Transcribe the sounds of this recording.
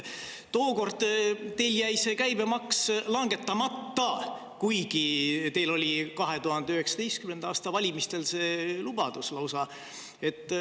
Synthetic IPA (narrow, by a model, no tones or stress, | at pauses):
t̪oːko̞rd̪̥t̪e̞jljæjse̞kæjbe̞mɑkslɑŋɡ̥e̞t̪ːˑɑmɑt̪ːɑ | kujɡ̥it̪e̞jlo̞lʲikɑɦe̞t̪uɦɑnd̪̥eyhe̞ksɑ̥d̪e̞jst̪̚kymend̪̥ɑːst̪ɑvɑlʲimist̪e̞lse̞ːlub̥ɑd̪̥uslɑwsɑ | e̞t̪ːˑ